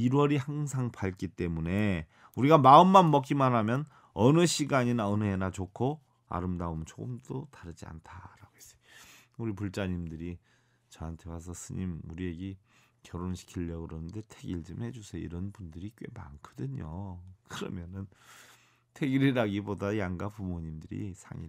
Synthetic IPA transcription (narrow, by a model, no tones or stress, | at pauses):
iɾwʌɾihaŋsʰaŋpaɭk͈it͈e̞mune̞ | uɾiɡamaɯmːanmʌk̬͈imanɦamjʌn | ʌnɯɕʰiɡaɲinaʌnɯɦenat͡ɕokʰo | a̰ɾɯmdaomt͡ɕok͈ɯmt͈otaɾɯd͡ʑia̰ntʰaɾaɡois͈ʌ̥uɾipuɭt͡ɕ͈aɲimdɯɾi | t͡ɕʌantʰe̞was̬ʰʌsʰɯɲimuɾie̞ɡe | kjʌɾonɕʰi̥kʰiʎːʌkɯɾʌnɯnde̞tʰeɡiɭd͡ʑɯmhe̞d͡ʑusʰeḭɾʌnbundɯɾik͈we̞̰ma̰nkʰʌdɯɲokɯɾʌmjʌnɯn | tʰeɡiɾiɾaɡibodajaŋɡapumoɲimdɯɾḭsʰa̰ŋḭ